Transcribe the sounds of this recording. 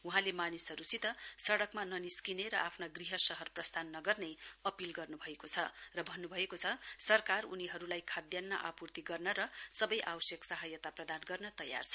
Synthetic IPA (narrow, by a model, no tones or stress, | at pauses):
uɦãlemanisɦʌɾusit̪ʌsʌɽʌkmanʌniskineɾʌʔapʰnaɡriɦʌsʌɦʌrprʌst̪ʰanːʌɡʌrnejʌpilɡʌrnubʱʌekot͡sʰʌrʌbʱʌnːubʱʌekot͡sʰʌsʌrkaruniɦʌɾulajkʰad̪jʌnːʌ̰ʔapurt̪iɡʌrnʌɾʌsʌbʌjʔawsjeksaɦʌjʌt̪aprʌd̪anɡʌrnʌt̪ʌjːa̰rt͡sʰʌ̥